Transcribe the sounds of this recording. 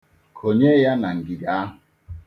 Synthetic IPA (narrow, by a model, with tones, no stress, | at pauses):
kʰo˨ɲe˦ja˦na˨ŋ̩˨ɡi˨da˦ɦʊ˨